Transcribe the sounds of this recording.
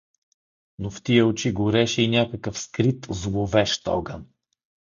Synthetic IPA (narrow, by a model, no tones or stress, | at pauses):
noft̪iəot͡ʃiɡoɾɛʃɛinʲakəkəfskɾit̪zlˠovɛʃt̪ɔ̰ɡən